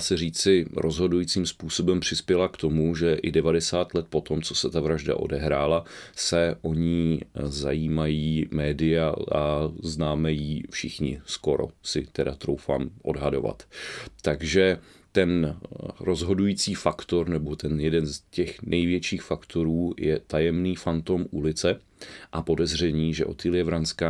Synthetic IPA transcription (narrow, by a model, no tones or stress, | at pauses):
asɛr̝iːt͡sɪɾo̞zɦo̞dujiːt͡siːmspuːso̞bɛmpr̝̥ɪspjɛlakt̪o̞muʒɛʔɪdɛvadɛsaːt̪lɛt̪̚po̞t̪o̞mt͡so̞sɛt̪avɾaʒda̰ʔo̞̰dɛɦɾaːlasɛʔo̞ɲizajiːmajiːmɛːdɪjaʔaznaːmɛjiːfʃɪxɲɪ̰sko̞ɾo̞̰sɪt̪ɛdat̪ɾowfa̰ːmʔo̞̰dɦado̞̰va̰t̪t̪aɡʒɛ | t̪ɛnɾo̞zɦo̞dujiːt͡siːfakt̪o̞ɾnɛbo̞t̪ɛnjɛdɛnscɛxnʔɛjvjɛt͡ʃiːxfakt̪o̞ɾuːjɛt̪ajɛmniːfant̪o̞mʔulɪt͡sɛ | ʔapo̞dɛzr̝ɛɲiːʒɛ̰ʔo̞̰t̪ɪlɪɛvɾanskaː